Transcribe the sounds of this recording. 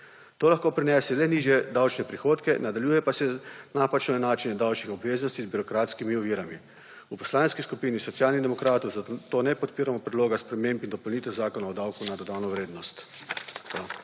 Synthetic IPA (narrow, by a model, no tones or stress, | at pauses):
t̪oːlaxkoːpɾinɛːsɛlɛniːʒjɛd̪awt͡ʃnɛpɾixoːt̪kɛnad̪aljuːjɛpasɛnapat͡ʃnɔɛnaːt͡ʃinɛd̪awt͡ʃnixɔbʋeːznɔst̪izbiɾɔkɾaːt̪skimiɔʋiːɾami | upɔ̥slaːneskiskupiːnisɔt̪sjaːlnid̪ɛmɔkɾaːt̪ɔwzat̪oːnɛpɔt̪̚piːɾamɔpɾɛd̪loːɡaspɾɛmẽmpind̪ɔpɔlniːt̪ɛwzaːkɔnaɔd̪awkunad̪ɔd̪aːnɔʋɾeːd̪nɔst̪